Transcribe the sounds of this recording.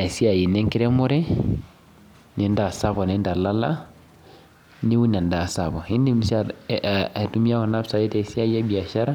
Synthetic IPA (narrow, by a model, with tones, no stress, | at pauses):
a˨si˦a˨ji˨ne˦ŋki˦ɾe˦mo˦ɾe˦ | ni˦nda˨sa˦bo˨ne˦nda˨la˦la̰˦ | ni˦wu˦na˨nda˨sa˨bo˨hi˦ndi˦mi˨sa | a˨tu˦mi˦a˦ko˨na˦psa˨je˦ta˨si˦a˦ja˦bi˨a˨ʃa˦ɾa˦